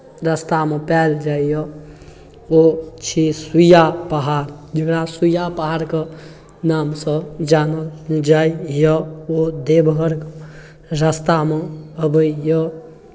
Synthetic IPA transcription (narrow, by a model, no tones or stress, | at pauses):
ɾəst̪amepɛld͡ʒaijə | ot͡ʃʰisujapəɦaɾd͡ʒəkɽasujapəɦaɾke | namsə̃d͡ʒanəld͡ʒaijəod̪ebɦəɾk | ɾəst̪ameəbəijə